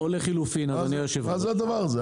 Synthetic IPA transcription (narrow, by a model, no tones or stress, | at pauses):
oleχilufinazanijoʃevmazead̪avaʁaze